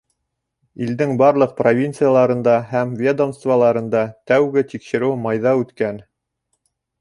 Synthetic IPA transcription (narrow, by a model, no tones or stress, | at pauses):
ild̪ɘŋbɑɾlˠɤq̚provʲint̪sɨjalˠɑɾɤ̆nd̪ɑhæmvʲed̪omst̪vɑlˠɑɾɤ̆nd̪ɑt̪æwɡɘt̪ikʃɘ̆ɾɘwmɑjðɑʉt̪kæn